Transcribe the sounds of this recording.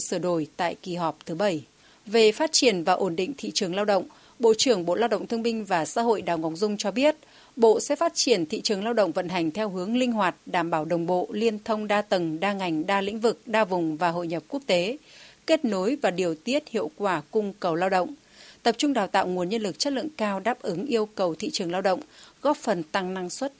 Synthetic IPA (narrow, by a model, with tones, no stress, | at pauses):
sɨ˧˩ɗo˧˩jt̪a̰ː˧˨jki˨˩ɦɔ˨˩p̚t̪ʰɨ˨˦ɓə˧˩j | ve˨˩faː˦˥t̚t͡ɕi˧˩ənvaː˨˩ʔo˧˩nɗḭ̈˧˨ŋ̟t̪ʰḭ˧˨t͡ɕɨ˨˩əŋlaː˧wɗə̰˧˨wŋ͡m | ɓo̰˧˨t͡ɕɨ˨˩əŋɓo̰˧˨laː˧wɗə̰˧˨ŋ͡mt̪ʰə˧ŋɓï˧ŋ̟vaː˨˩sa̰ː˧˥ɦo̰˧˨jɗaː˨˩wŋɔ˨˦wŋ͡mzʊ˧ŋ͡mt͡ɕɔ˧ɓi˦˥ət̚ | ɓo̰˧˨sɛ̰˧˥faː˦˥t̚t͡ɕi˧˩ənt̪ʰḭ˧˨t͡ɕɨ˨˩əŋlaː˧wɗə̰˧˨ŋ͡mvə̰˧˨nɦa˨˩jŋ̟t̪ʰɛ˧wɦɨ˨˦əŋlï˧ŋ̟ɦwaː˨˩t̚ɗaː˧˩mɓaː˧˩wɗə˨˩wŋ͡mɓo̰˧˨li˧ənt̪ʰə˧wŋ͡mɗaː˧t̪ə˨˩ŋɗaː˧ŋa˨˩jŋ̟ɗaː˧lḭ̈˧˥ŋ̟vɨ˨˩k̚ɗaː˧vʊ˨˩ŋ͡mvaː˨˩ɦo̰˧˨jɲə˨˩p̚ku˦˥ək̚t̪e˨˦ke˦˥t̚no˨˦jvaː˨˩ɗi˨˩əwt̪i˦˥ət̚hḭ˧˨əwkwaː˧˩kʊ˧ŋ͡mkə˨˩wlaː˧wɗə̰˧˨wŋ͡m | t̪ə˨˩p̚t͡ɕʊ˧ŋ͡mɗaː˨˩wt̪a̰ː˧˨wŋu˨˩ənɲə˧nlɨ˨˩k̚t͡ɕə˦˥t̚lɨ̰˧˨ŋkaː˧wɗaː˦˥p̚ʔɨ˨˦ŋʔi˧əwkə˨˩wt̪ʰḭ˧˨t͡ɕɨ˨˩əŋlaː˧wɗə̰˧˨wŋ͡mɣɔ˦˥p̚fə˨˩nt̪a˧ŋna˧ŋswə˦˥t̚